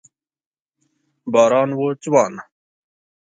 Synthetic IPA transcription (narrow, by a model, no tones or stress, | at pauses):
baːɾɑːnwoːt͡ɕwɑːn